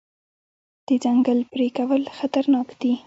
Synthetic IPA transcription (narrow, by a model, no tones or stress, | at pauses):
d̪̥əd͡ʒaŋɡəlpɾekawəlxat̪aɾnɑkd̪̥i